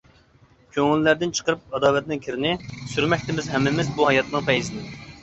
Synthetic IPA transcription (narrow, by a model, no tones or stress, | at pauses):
kʲʰøŋylːæɾd̪ɪnt͡ʃʰə̥qəɾp̚ɑd̪ɑːlɛt̪̚nɪŋkʲʰiɾɪnɪsyɾmɛk̚ʲt̪ɪmɪzɦɛmːɪmɪzbuɦɑjɑt̪nɨŋpɛjzɪnɪ